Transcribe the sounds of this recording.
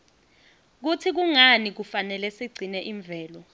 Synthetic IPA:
k̬utʰik̬uŋanik̬ufanɛlɛsiɡ͡ǀʱinɛʔiɱb̪vʱɛːlɔ

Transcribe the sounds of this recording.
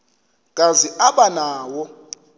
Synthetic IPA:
kʼaziʔaɓanaːwɔ

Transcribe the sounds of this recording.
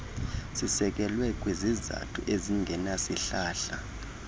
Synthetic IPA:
sisɛk̬ɛlwɛk̬ʼweziza̰tʰṵʔeziŋɡʱɛnasiɬaːɬa

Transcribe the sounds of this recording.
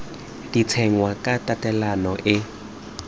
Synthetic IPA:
d̥it͡sʰɛŋwakʼatʼatʼɛlanɔʔɪ

